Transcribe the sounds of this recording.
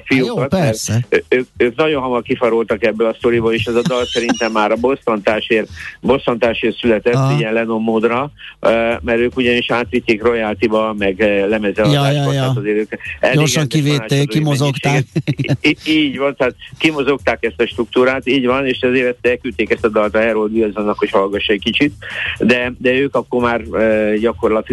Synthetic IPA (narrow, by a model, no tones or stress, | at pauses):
fijukɒt̪mɛrsɛøːk̚øːknɒɟo̞nɦɒmɒrkifɒɾolt̪ɒkɛbːølɒst̪o̞ɾiboleːʃɛzɒd̪ɒlsɛɾint̪ɛmːaːɾɒbo̞sːɒnt̪aːʃeːrbo̞sːɒnt̪aːʃeːrsylɛt̪ɛtt̪ːɛiɛnlɛno̞mːoːd̪rɒ | mɛɾøːkuɟɒniʃaːt̪ʋit̪ːeːkro̞jaːlt̪ibɒmɛɡlɛmɛzɛlɒjd̪aːjʒbɔjat̪ɒzeːɾøːkɛleorɡɒŋkiveːaːekimozokʃaː | iːɟʋɒnt̪ɛaːt̪kimo̞zo̞k̚t̪aːkɛst̪ɒʃt̪ɾuk̚t̪uːɾaːt̪iːɟʋɒneːʃɛzeːɾɛt̪ːɛkyt̪ːeːkɛst̪ɒd̪ɒlt̪ɒɦɛɾold̪iɒzonːɒkho̞chɒlɡɒʃːɛckit͡ʃit̪d̪ɛd̪ɛøːkɒkːo̞maːrøɟɒko̞rlɒt̪i